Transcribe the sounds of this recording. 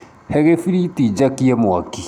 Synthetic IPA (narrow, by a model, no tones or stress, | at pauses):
hɛɣefiɾitid͡ʒakiɛmwaki